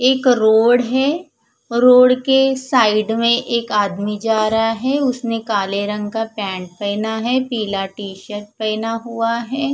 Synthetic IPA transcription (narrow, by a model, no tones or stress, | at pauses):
eːkɾoːɽɦɛː | ɾoːɽkesaːɪɖmẽʔeːkaːd̪mid͡ʒaːɾɐɦaɦɛːʊsmẽkaːleɾɐ̃ŋɡkapɛ̃ːɳʈpɛɪnaɦɛpiːlaʈiːʃəʈ̚pɛɪnaɦuaɦɛː